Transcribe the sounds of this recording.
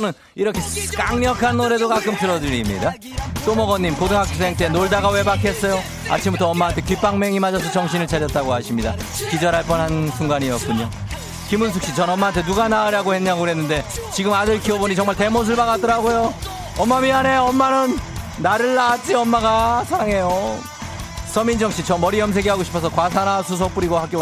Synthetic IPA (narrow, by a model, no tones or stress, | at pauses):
t͡ɕʌnɯn | iɾʌkʰe̞k͈aŋɲʌkʰanːoɾe̞dokak͈ɯmpʰiɾʌdɯɾimɲḭda | t͈omʌɡʌnɲːimkodɯŋɦak͈ʰiseŋt͈e̞noɭdaɣawe̞bakʰe̞s͈ʌjo | a̰t͡ɕʰimbutʰʌʌmːaɦantʰe̞kip͈aŋme̞ŋimad͡ʑʌsʰʌt͡ɕʌŋɕ̬ʰinɯɭt͡ɕʰad͡ʑʌt̚t͈aɡoɦaɕʰimɲida | kid͡ʑʌɾɦaɭp͈ʌnɦhansʰuŋɡaɲijʌk͈uɲo | kimunsʰok̚ɕ͈it͡ɕʌnʌmːaɦantʰe̞nuɡanaɯɾaɡohe̞nɲːaɡɯɾɦe̞nːɯnde̞t͡ɕiɡɯmadɯɭkʰioboɲit͡ɕʌŋmaɭte̞mos̬ʰɯɭbaɣat͈ɯɾaɡojo | ʌmːamiane̞oʌmːanɯnː | aɾɯɭːat͡ɕ͈iʌmːaɡasʰaɾaŋe̞jo | s͈ʰʌmind͡ʑʌŋɕʰit͡ɕʰʌmʌɾiʌms̬ʰe̞ɡiɦaɡoɕʰi̥pʰʌs̬ʰʌkwas̬ʰanasʰus̬ʰop͈uɾiɡohak͈jo